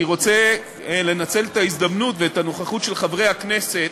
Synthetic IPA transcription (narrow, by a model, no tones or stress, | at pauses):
iʁo̞t͡se | le̞nat͡se̞let̪aizd̪amnutveːtanoχaχutʃe̞lχavʁe̞jhaknese̞